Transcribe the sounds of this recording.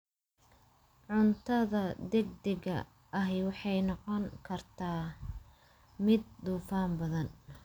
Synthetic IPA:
ʕʊnt̪ʰɐðɐd̪ɛɡ̚d̪ɛɡɐ̰ | ʔɐɦɛjwɑħɑjnɑqɔŋkʰɐrt̪ʰaː | mɪd̪̚ːuːfaːmbɐðɐn

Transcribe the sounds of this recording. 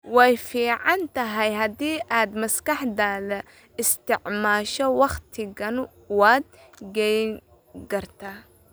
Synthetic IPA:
wɛjfiːʕɑnt̪ɐɦɛjɦɐd̪iːʔaːd̪mɐskɑħd̪alɐ | ɪst̪ɪʕmaːʃɔwɑχt̪ʰɪɣɐn | wɑːd̪̚ɡɛjŋ | kɐrt̪ʰaː

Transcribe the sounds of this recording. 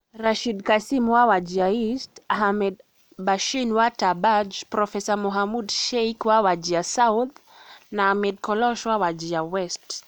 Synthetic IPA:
ɾaʃidkasimwawad͡ʒiaistaɦamɛd | baʃinwatabad͡ʒpɾɔfɛsamɔɦamudʃɛjkwawad͡ʒiasawt̪ | naamɛd̚kɔlɔʃwawad͡ʒiawɛst

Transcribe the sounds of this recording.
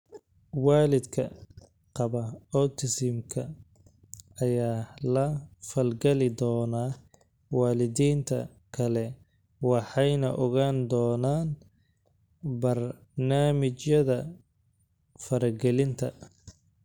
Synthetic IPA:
waːlɪd̪kʰɐ | qɑβɐɔt̪ʰɪsɪmkʰɐ | ɐjaːlɐfɐlɡɛlɪd̪ɔːnaː | waːlɪðiːnt̪ʰɐ̰ | kʰɐlɛ | wɑħɑjnɐʔɔɣaːnd̪ɔːnaːn | bɐr | naːmɪt͡ʃjɐðɐ | fɐɾɐɡɛlɪnt̪ʰɐ̰

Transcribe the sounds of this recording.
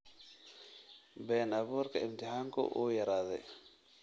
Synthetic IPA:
bɛːnɐβuːɾkʰɐɪmt̪ʰɪɦaːŋkʰʊ̰ʔṵːjɐɾaːðɛ̰j

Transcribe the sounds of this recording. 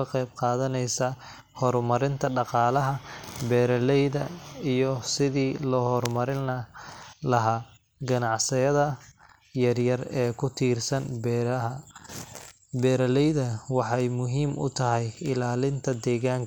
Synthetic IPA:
ɐqɛjb̚qɑːðɐnɛjsa | hɔrmɐɾɪnt̪ʰɐɖɑqɑːlɐɦɐbɛːɾɐlɛjðɐijɔsɪðiːlɔːhɔrmɐɾɪnɐlɐɦaː | ɡɐnɑʕsɪjɐðɐ | jɐrjɐrɛːkʰʊt̪ʰiːrsɐnbɐ | bɛːɾɐlɛjðɐwɑħɑjmʊɦiːmʔʊ̰t̪ʰɐɦɛjɪlaːlɪnt̪ʰɐd̪ɛːɣaːŋkʰ

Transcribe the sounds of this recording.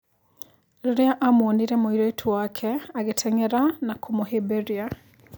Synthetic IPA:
ɾoɾeaʔamooniɾɛmoiɾoitʰowakʰɛaɣetʰɛŋɛɾanakʰomoɦebeɾia

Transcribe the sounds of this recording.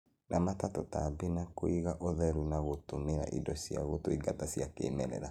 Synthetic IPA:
nʔamatatɔtabinakoiɣaʔoðɛɾwinaɣotomeɾa̰ʔidɔsia̰ɣotoiɡatasiakḛːmɛɾɛ̰ɾa

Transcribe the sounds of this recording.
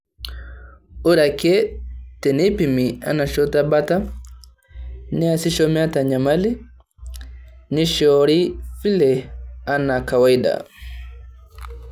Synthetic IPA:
uɾakɛtɛnipimia̰naʃɔtabata | niasiʃɔmɛataɲamali | niʃɔɾifilɛanakawaida̰

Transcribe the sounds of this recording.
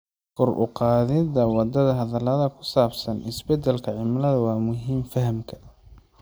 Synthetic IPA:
kʰɔrʔʊ̰qɑːðɪðɐwɑd̪ɐðɐɦɐðɐlɐðɐkʰʊ̥saːbsɐnɪsbɛd̪ɛlkʰɐʕɪmlɐðɐwɑːmʊɦiːmfɐɦɐmkʰɐ̥

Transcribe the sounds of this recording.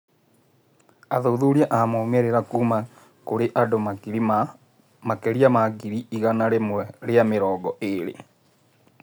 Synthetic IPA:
aðoːðoːɾiaʔamomɛɾeɾakuːma | koɾeʔadomaiɾi | makɛɾiamaɡiɾiiɣanaɾemwɛɾeameɾɔːɡɔʔeɾḛ

